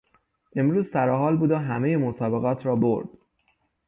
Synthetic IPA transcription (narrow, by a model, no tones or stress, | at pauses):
ʔe̞mɾuːzsæɾɒːɦɒːlbuːd̪oɦæmejemosɒːbe̞ɣɒːt̪ʰɾɒːbo̰ɾd̪̥